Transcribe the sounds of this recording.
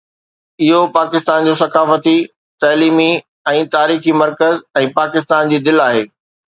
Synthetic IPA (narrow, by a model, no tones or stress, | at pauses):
ɪɦopaːkɪst̪aːnd͡ʑoːsɐkaːfət̪i | t̪aːliːmi | ɛ̃ːt̪aːɾiːximɐɾkəzɛ̃ːpaːkɪst̪aːnd͡ʑiːd̪ɪlaːɦeː